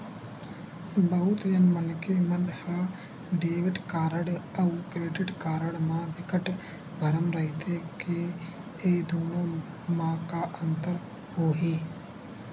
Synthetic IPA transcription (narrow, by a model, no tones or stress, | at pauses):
bɐɦʊt̪jɐnmɐnkemɐnha | ɖeːʋɪʈkaːɾəɽɐukɾeːʈɪɖkaːɾəɽmãʋɪkəʈ | bʱɐɾəmɾɐɦɪt̪ʰeke | eːd̪oːnõː | mãːkaːʔɐnt̪əɾ | hoːɦiː